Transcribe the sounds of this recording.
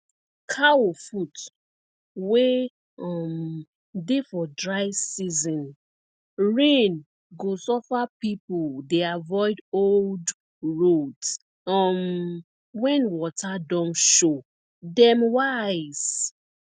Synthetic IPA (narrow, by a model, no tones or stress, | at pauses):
kʰawofut | we | ɔm | defɔdɹaɪsizɔ̃n | ɹẽn | ɡosɔfapipuldeavɔɪdold | ɹods | ɔm | wɛ̃nwɔtʰadɔ̃mʃo | dɛ̃mwaɪz̥